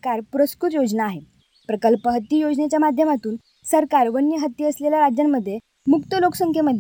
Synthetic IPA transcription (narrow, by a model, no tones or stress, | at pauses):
kaɾpuɾəskɾut̪jod͡znaːɦe | pɾəkəlpəɦət̪ːiːjod͡ʑnet͡ɕjamad̪ʱjəmat̪uːn | səɾkaɾʋənjəɦət̪ːjiəsleljaɾad͡ʑjamːəd̪ʱːje | mukt̪əloksəŋkʰjeməd̪ʱːj